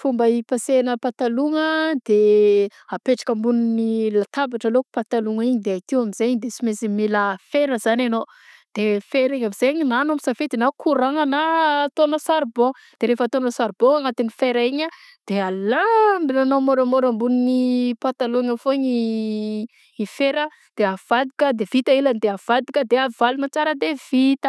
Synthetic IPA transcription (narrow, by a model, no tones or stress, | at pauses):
fumbəipasenəpat̪aluŋəd̪̥e | apeʈ͡ʂḁkəmbuninilat̪abaʈ͡ʂaloku̥pat̪aluŋiɲid̪eait̪iwamizeɲd̪esimesimiləfeɾəz̥anano | d̪̥efeɾeɲamiz̥eɲinanamisafet̪inakʰuɾaŋanat̪onəsaɾbo | d̪̥eɾefat̪onəsaɾboaŋat̪inifeɾaiɲə | d̪̥ealambinanomoɾamoɾambuninipat̪aluŋafoɲi | ifeɾə | d̪̥eav̥ad̪ikʲəd̪ev̥it̪əiland̪eav̥ad̪ikəd̪eavalumat͡saɾəd̪ev̥it̪ə